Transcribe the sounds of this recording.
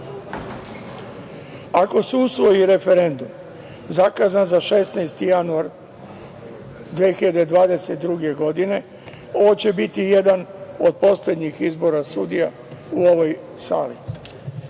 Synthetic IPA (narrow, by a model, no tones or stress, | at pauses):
ako̞susʋo̞jiɾe̞fe̞ɾe̞nd̪um | zakazanzaʃe̞snajst̪ijanuaɾ | d̪ʋexiʎad̪e̞d̪ʋaːd̪e̞set̪d̪ɾuɡe̞ɡo̞d̪ine̞ | o̞ʋot͡ɕe̞bit̪ije̞d̪ano̞d̪̚po̞sle̞d̪ɲixizbo̞ɾasud̪ija | uo̞ʋo̞j | sa̰ːlḭ